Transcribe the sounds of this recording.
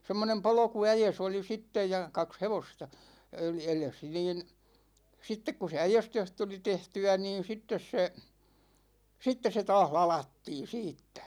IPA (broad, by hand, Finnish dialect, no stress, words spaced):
semːonem polŏkuæjes oli sitːej jɑ kɑks heʋostɑ eles niːn̞ sitːek ku se æjestøh tuli tehtyæ niːn̞ sitːes se sitːe se tɑːh lɑlɑtːiːn̞ siːtːæ̥